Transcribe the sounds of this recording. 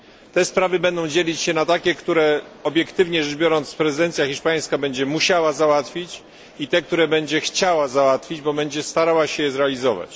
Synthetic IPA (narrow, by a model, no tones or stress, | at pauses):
t̪ɛspɾavɘbɛnd̪ɔ̃w̃d͡ʑelʲit͡ɕɕɛnat̪akʲɛkt̪uɾɛɔbʲjɛkt̪ɘvɲɛʐɛbʲjɔɾɔnt̪spɾɛzɨd̪ɛnt̪sʲjaxʲiʂpaj̃skabɛɲd͡ʑɛmuɕawazawat̪fʲit͡ɕ | it̪ɛk̚t̪uɾɛbɛɲd͡ʑɛxt͡ɕawazawat̪fʲid͡ʑbɔbɛɲd͡ʑɛst̪aɾawaɕɛjɛzɾɛalʲizɔva̰t͡ɕ